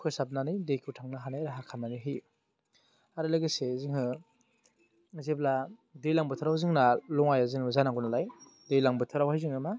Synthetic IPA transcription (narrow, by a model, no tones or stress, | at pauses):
kʰɯsap̚nanijdekʰitʰaŋnaɦanajɾaɦakʰamaniɦij | aɾɯlaɡeseziŋɯ | zebladejlaŋbɯtʰɯɾawzɯŋnalɔŋajazɯŋɯzanaŋɡɔnalaj | dejlaŋbɯtʰɯɾawhajziŋɯma